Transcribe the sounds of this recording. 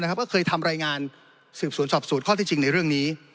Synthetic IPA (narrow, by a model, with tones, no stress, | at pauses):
na˥kʰa˦˥pkɔː˥˩kʰɤː˧jt̪ʰa˧mɾaː˧jŋaː˧n | sɯː˨˩p̚su˨˩˦ənsɔː˨˩p̚su˨˩˦t̪̚kʰɔː˥˩t̪iː˥˩t͡ɕi˧ŋna˧jɾɯ˥˩əŋniː˦˥